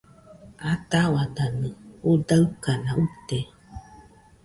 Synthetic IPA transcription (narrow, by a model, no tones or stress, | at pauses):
at̪awad̪anɨ̃odaɨkanaut̪e